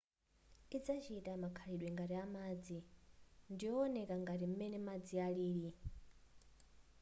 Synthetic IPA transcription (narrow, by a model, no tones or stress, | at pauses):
id͡zat͡ʃʰitʼamakʰaɺiɗwɛŋɡaɾiamad͡zi | ndijɔːnɛkʼaŋɡaɾim̩mɛnɛmad͡zialiːɺi